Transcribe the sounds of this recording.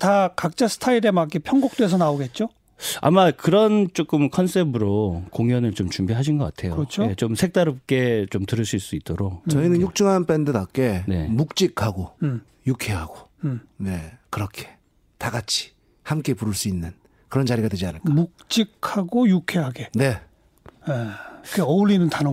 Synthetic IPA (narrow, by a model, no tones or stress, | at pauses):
takak̚t͡ɕ͈asʰɯ̥tʰaiɾe̞makepʰjʌŋɡok̚t͈oesʰʌnaoɡe̞t̚t͡ɕ͈o | a̰makɯɾʌnt͡ɕ͈ok͈ɯmkʰʌns͈ʰebɯɾokoŋjʌnɯɭt͡ɕomt͡ɕumbiɦaɕ̬ʰinɡʌk͈atʰe̞joɾʌt͡ɕʰoet͡ɕomsʰe̞k̚t͈aɾop̚k͈e̞t͡ɕomtɯɾɯɭs͈iɭs͈uit͈̚oɾok̚t͡ɕʌinɯnjuk̚t͡ɕ͈ɯŋɦanpʰendɯdak͈e̞ne̞̰muk̚t͡ɕ͈ikʰaɡo | jukʰeɦaɡone̞kɯɾʌkʰe̞̥ | taɡat͡ɕʰi̥ | hamk͈e̞puɾɯɭs͈uinːɯn | kɯɾʌnt͡ɕaɾiɡadwed͡ʑianɯɭkamuk̚t͡ɕ͈ikʰaɡojukʰe̞ɦaɡene̞ | jekeʌuɭːinɯntan